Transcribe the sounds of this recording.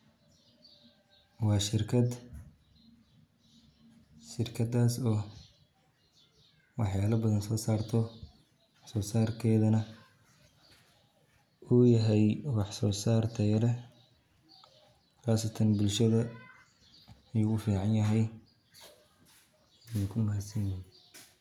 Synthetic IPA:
wɑːʃɪrkʰɐd̪ | ʃɪrkʰɐd̪aːsɔː | wɑħjaːlɐbɐðɐnsɔːsaːrt̪ʰɔ | wɑħsɔːsaːrkʰɛːðɐnɐ | uːjɐɦɛjwɑħsɔːsaːrt̪ʰɐjɐɾɛ | χaːsɐt̪ʰɐnbʊlʃɐðɐ | jʊɣʊfiːʕɑnjɐɦɛj | ɪnʊkʰʊmʊɦɐd̪sɐnjɪn

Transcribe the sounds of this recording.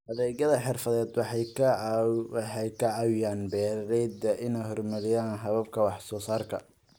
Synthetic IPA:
hɐðɛːɡɐðɐħɪrfɐðɛːd̪wɑħɑj | wħɑjkʰɐʕɑwɪjaːnbɛːɾɐɾɛjd̪ɐʔɪnɛjɦɔrmɐlɪjaːnɦɐβɐb̚kʰɐwɑħsɔːsaːrkʰɐ̰

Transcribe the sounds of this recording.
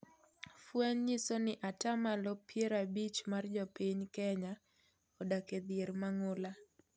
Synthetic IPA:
fwɛɲɲisonɪʔatamalɔpjeɾabit͡ʃmard͡ʒɔpiɲkɛɲa | ɔdaked̪jeɾmaŋʊla

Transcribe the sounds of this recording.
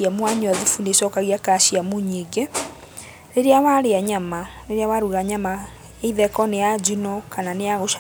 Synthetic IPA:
amwaɲwaðufunesɔːkaɣiakaʃiamuɲeɡe | ɾeɾeawaɾeaɲamaɾeɾeawaɾuɾaɲama | eiðɛkɔnejad͡ʑinɔkananejaɣoʃ

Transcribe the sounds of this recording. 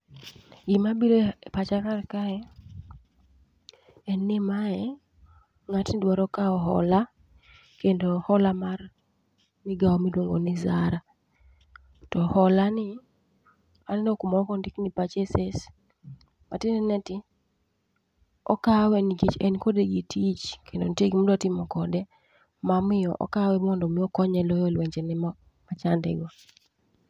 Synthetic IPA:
ɡɪmabiɾopat͡ʃakarkaɛ | ɛnːɪmaɛ | ŋatnɪdwaɾɔkaɔɦɔ̰la | kendohɔlamar | mɪɡaɔmidwoŋɡo̰nɪzaɾa | tɔhɔlanɪ | anɛnokumɔkɔndiknipat͡ʃeses | matɪnɛnɛtɪ | ɔ̰kawɛniɡit͡ʃɛnkodeɡitʰit͡ʃkʰendo̰nitieɡimodtɪmɔkɔdɛ | mamɪɔ̰ʔɔ̰kawɛmɔndɔmɪɔkɔɲɛlɔjɔlwɛɲt͡ʃɛnɛ | mat͡ʃandɛ̰ɡɔ

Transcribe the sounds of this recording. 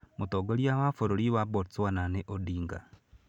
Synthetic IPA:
motoɡoɾjawafoɾoɾiwabotswananeʔodiːŋɡa

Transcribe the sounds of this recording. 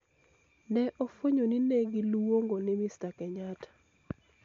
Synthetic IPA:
nɛʔofoɲoninɛɡilwoŋɡonɪmɪstakɛɲatḁ

